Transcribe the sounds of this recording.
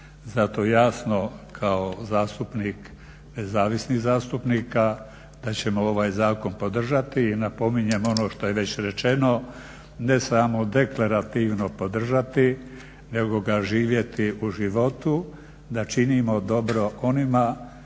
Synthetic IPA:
zat̪o̞ːjaːsno̞kʰaozaːst̪upnik | ne̞zaːʋisniɣzaːst̪upniːka | d̪̥at͡ɕe̞mooʋaːjzaːko̞npo̞d̪r̩ʒat̪iːnapo̞miɲe̞mo̞no̞ːʃt̪o̞jeʋe̞t͡ɕɾe̞t͡ʃe̞no̞ | ne̞samo̞d̪e̞klaɾat̪iʋnopo̞d̪r̩ʒat̪i | ne̞ɡo̞ɡaʒiːʋje̞t̪iʔuʒiʋo̞t̪u | d̪at͡ʃinimo̞d̪o̞bɾo̞ʔo̞nima

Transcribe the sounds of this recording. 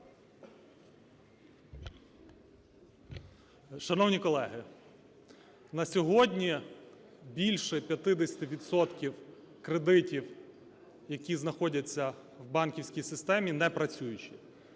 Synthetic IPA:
ʃɐnɔwnʲikɔlˠɛɦɪ | nɐsʲɔɦɔdʲnʲi | bʲilʲʃɛpʲjɐt̪ɪd̪esʲɐ̥t̪ɪʋʲid̪sɔt̪kʲiw | kɾed̪ɪtʲiw | jɐkʲiznɐxɔdʲɐt͡sʲːɐ | wbɑnkʲiwsʲkʲijsɪst̪ɛmʲinɛpɾɐt͡sʲujʊt͡ʃi

